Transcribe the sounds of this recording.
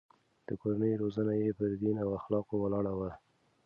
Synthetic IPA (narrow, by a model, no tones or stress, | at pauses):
d̪̥əkoɾanəjɾozanajepəɾd̪inawaxlɑqowalɑɽawa